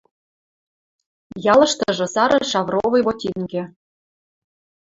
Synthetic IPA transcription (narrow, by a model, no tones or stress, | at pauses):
jɑlɤ̆ʃt̪ɤ̆ʒɤ̆sɑɾɤ̆ʃɑvrovɤ̆jβot̪ʲinɡĕ